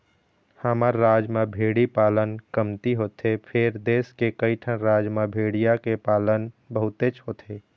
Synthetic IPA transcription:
həməɾːaːd͡ʒmẽbʱeːɽipaːlənkəmt̪iɦoːt̪ʰepʰɪɾd̪eːskekəiʈʰəɾaːd͡ʒmãbʱeːɽijakepaːlənbəɦʊt̪et͡ʃɦoːt̪ʰeː

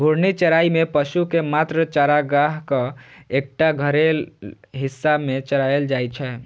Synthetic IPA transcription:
bʱuɾnit͡ʃəɾaimepəʃukemat̪ɾət͡ʃaɾaɡaɦkə̃ek̚ʈaɡʱəɾel | ɦisːamet͡ʃəɾaeld͡ʒajt͡ʃʰɛ

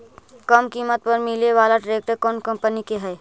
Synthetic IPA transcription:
kəmkimət̪̚pəɾmileʋaːlaɖɾeːk̚ʈəɾkɔːnkəmpənikeɦɛj

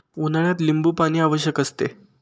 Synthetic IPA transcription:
unaɭjat̪limbuːpaɽ̃iːaʋəɕjəkəst̪ḛ

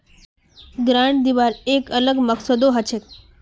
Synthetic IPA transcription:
ɡɾaɳ̃d̪iʋaɾekələɡməksəd̪oɦət͡ʃʰet̪

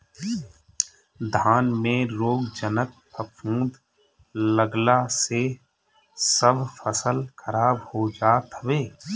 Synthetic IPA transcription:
d̪ʱaːnmẽɾoːɡd͡ʒənək̚pʰəpʰũːd̪ʱ | ləɡlase | səbʱfʰəsəlkʰəɾaːbhod͡ʒaːt̪ʋeː

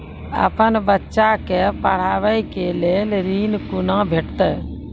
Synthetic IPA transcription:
ə̰pənbətːʃakepəɽ̤aːʋəjkeleːlɾinkunãbʱeʈt̪ɛ

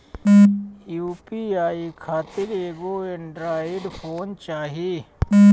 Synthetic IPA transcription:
juːpiːaːikʰaːt̪ɪɾeːɡoːɪɳɖɾaːɪɖpʰoːnt͡ʃaːɦiː

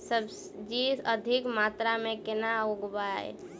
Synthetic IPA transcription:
səbs | d͡ʒiəd̪ʱɪkmaːt̪ɾamẽkɪnauɡbaɛ̰

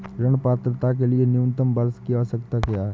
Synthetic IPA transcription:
ɾəɽ̃paːt̪ɾət̪ak̬elienjunt̪əmbəɾskijaosək̚t̪akjaɦɛ

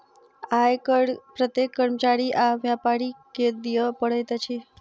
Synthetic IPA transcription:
ajkəɽpɾət̪jekːəɾmət͡ʃaɽiʔaʋjapaɽiked̪ijəpəɽet̪ət͡ʃʰi

